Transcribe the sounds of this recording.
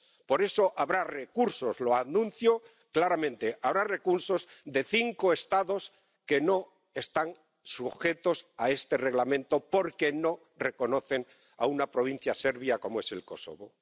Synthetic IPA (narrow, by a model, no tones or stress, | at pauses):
po̞ɾe̞so̞ʔaβɾare̞kuɾso̞zloanũnθjo | klaɾamẽ̞nt̪e̞ʔaβɾare̞kuɾso̞zðe̞θiŋkoe̞st̪aðo̞s | ke̞no̞ | e̞st̪an | suxe̞t̪o̞sae̞st̪e̞re̞ɣlamẽ̞nt̪o̞po̞ɾke̞no̞ | re̞ko̞no̞θe̞n | a̰unapɾo̞β̞in̟θjase̞ɾβjako̞moe̞se̞̰lko̞so̰βo̞